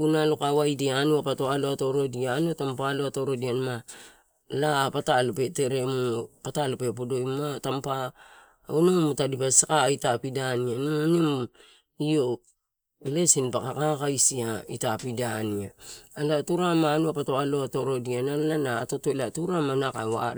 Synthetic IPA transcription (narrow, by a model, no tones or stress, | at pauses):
unalokawajdianuapato̞aloato̞ɾo̞diaːnuatampaloatoɾo̞dianma | lapatalope̞te̞ɾe̞mupatalopep̬odo̞jmatampa | onomutadipasakaitapidanianunim | io | le̞sinpakakakajsiaitapidaniaalatuɾamanuapatoaloato̞ɾo̞dianaanatotolatuɾamanakawa̰ɾ